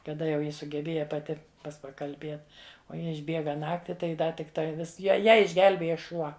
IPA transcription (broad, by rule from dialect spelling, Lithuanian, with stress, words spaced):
kɐˈdɐ jɛʊ ˈjɪ sʊɡʲɛˈbʲeːjɛ pɐˈtʲɪ ˈpɐs pɐkɐlʲˈbʲeːt oː ˈjɪ ɪʒʲˈbʲeːɡɐ ˈnɑːktʲɪ tɐɪ ˈdɐ tʲɪkˈtɐɪ ˈʋʲɪs ˈjɛ ˈjæː ɪʒʲˈɡʲɛlʲbʲeːjɛ ˈʃuɔ